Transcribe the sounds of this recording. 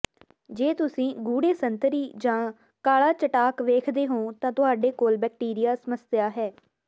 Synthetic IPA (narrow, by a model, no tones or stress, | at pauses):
d͡ʒeːt̪ʊsĩːɡuːɽeːsənt̪əɾiːd͡ʒãː | kaːlaːt͡ʃəʈaːkʋeːkʰd̪eːɦõːt̪ãːt̪ʊɦaːɖeːkoːlbɛːk̚ʈiːɾɪjaːsəməsjaːɦɛː